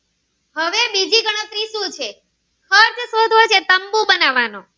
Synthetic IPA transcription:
ɦəʋebid͡ʒiɡəɽ̃ət̪ɾisũt͡ʃʰe | xəɾt͡ʃ̪ʰsod̪ʱot͡ʃʰet̪əmbũbənaʋanõ

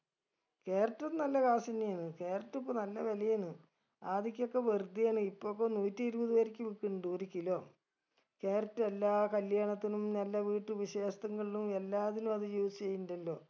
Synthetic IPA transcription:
ke̞ːrɐtːɐnɐlːɐkaːsɐnijaːɳɨke̞ːrɐtːupːonɐlːɐʋɐlɐjaːɳɨ | aːðik̬ʲːo̞kːeʋerd̪ʱːijaːɳɨipːokːenuːtːiiɾubɐðiʋɐɾikʲːɨʋikːiɳɳɖuːɾikʲːiloː | keːrɐtːɐelːaːkɐljaːɳɐt̪ːinumnɐlːɐʋiːʈːɨʋiɕeːʂt̪ɐŋːɐɭilumelːaːðinumɐðɨjuːst͡ɕejːindɐlːo̞ː

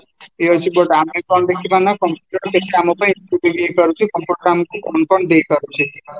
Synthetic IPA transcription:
eɦɔjt͡ʃʰibɔʈamepɔɳd̪ekʰibanakɔmpjuʈɔɾkeʈ̚kamɔpɔ̃insibuɡejkɔɾut͡ʃʰikɔmpuɾɡɾamkupɔnpɔɳ̃d̪ejkɔɾut͡ʃʰi

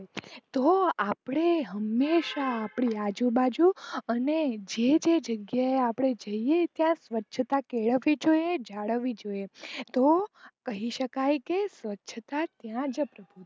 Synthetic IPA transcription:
t̪oapɽ̃eɦəmːeʃaːpɽ̃iad͡ʒubad͡ʒuəned͡ʒed͡ʒed͡ʒəɡjaeapɽ̃ed͡ʒəiet̪jãsʋətːʃʰət̪akeɭəʋid͡ʒojed͡ʒaɽəʋid͡ʒoet̪okəɦiʃəkajkesʋətːʃʰət̪at̪jãd͡ʒəpɾəbʱut̪

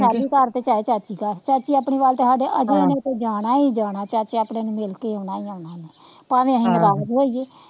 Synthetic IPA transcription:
saːɾiːkəɾt̪eːt͡ʃaːeːt͡ʃaːt͡ʃiːkəɾt͡ʃaːt͡ʃiːaːpɳiːʋaːlt̪eːsaːɖeːʔəd͡ʒeːnẽt̪eːd͡ʒaːɽaːiːd͡ʒaːɽaːt͡ʃaːt͡ʃeaːpnẽːnũːmɪlkeːoːnaːiːoːnaːneː | paːʋẽːəɦĩːnɾaːd͡ʒɦoːieː

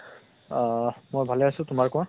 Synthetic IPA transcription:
mojbʱalɛasʊ̃tʊmaɹkɔ̃ã

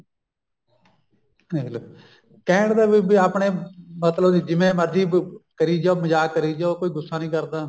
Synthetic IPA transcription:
nel | kɛ̃ːɽd̪eːbibiːaːpɳeːmət̪ləbiːd͡ʒɪmẽːməɾd̪iːbkəɾiːd͡ʒaːməd͡ʒaːkːəɾiːd͡ʒaːokoːiːɡʊsːaːnĩːkəɾd̪aː

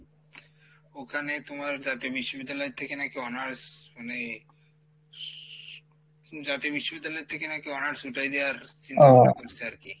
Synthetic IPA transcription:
okʰanet̪omaɾd͡ʑat̪iobiʃːobid̪ːalɔet̪ʰːekenakeɔnaɾmane | d͡ʑat̪iobiʃːobid̪ːalɔet̪ʰekenakeɔnaɾsuʈajd̪eaɾt͡ɕinʰaɾakoɾt͡ɕʰeaɾki

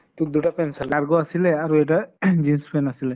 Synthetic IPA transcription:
t̪uk̚d̪uʈapɛnsɛlaɹɡɔasilɛaɹuɛjʈad͡ʒinspʰɛnasilɛ

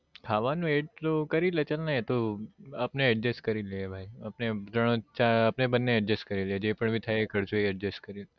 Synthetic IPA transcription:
kʰaʋanũeɖ̚t̪okəɾilet͡ʃəlnaɦet̪oapneɛʈ̚d͡ʒeskəɾiliebʱaiapnet̪ɾəɳ̃õt͡ʃaapnebənːeɛʈ̚d͡ʒeskəɾilied͡ʒepəɳbʱit̪ʰajekʰəɾt͡ʃʰoeɛʈd͡ʒeskəɾile

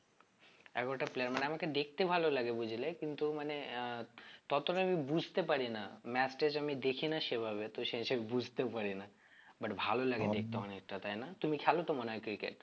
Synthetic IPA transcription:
ɛ̰kɔʈaplejaɾmaneamaked̪ek̚ʰt̪ebʱalolaɡebud͡ʑʱilekint̪umane | t̪ɔt̪oʈabibud͡ʑʱt̪epaɾinamɛsʈed͡ʒamid̪ekʰinaʃebʱaβet̪oʃeʃabibud͡ʑʱt̪epaɾina | bɐʈbʱalolaɡed̪ek̚ʰt̪aɔnek̚ʈat̪ajnat̪umikʰɛlot̪omaneɔjkɾikḛʈ

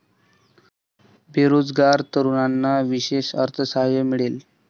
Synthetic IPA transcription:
bʱeɾod͡zɡaɾt̪əɾuɳanːaʋiɕeɕəɾt̪ʰəsaɦjemiɽel

